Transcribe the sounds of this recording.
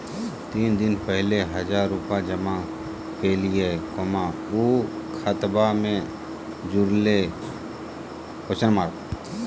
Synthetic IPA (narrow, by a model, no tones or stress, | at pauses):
t̪iːnd̪ɪnpɛɦleɦəd͡ʒaːɾːʊpad͡ʒəma | peːliɛkoːma | uːkʰət̪bamẽ | d͡ʒʊɾle | kot͡ʃənmaːk